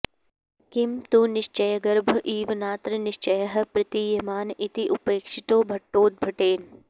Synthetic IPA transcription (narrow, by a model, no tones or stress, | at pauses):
kɪmt̪unɪʃt͡ʃɐjɐɡɐɾbʱɐʔiːʋnaːt̪ɾənɪʃt͡ʃɐjəɦɐpɾɐt̪ijɐmaːnit̪iʔʊpeːkʃɪt̪oːbʱɐʈːoːt̪̚bʱɐʈeːn